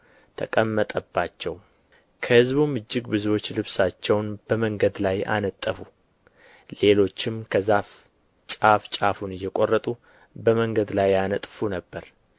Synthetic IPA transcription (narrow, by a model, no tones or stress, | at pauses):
t̪ʰəkʼəmːət̪ʼəbːat͡ʃːɛw | kʰəhɨzbumɨd͡ʒːɪɡbɨzuwo̞t͡ʃːlɨβsat͡ʃːɛwnb̥əməŋɡəd̪laja̰nət̪ʼːəfu | le̞lo̞t͡ʃːɪmkʰəzaf | t͡ʃʼaft͡ʃʼafunɨjːɛkʼo̞rːət̪ʼu | bəməŋɡəd̪lajanət̪ʼfunəbːəɾ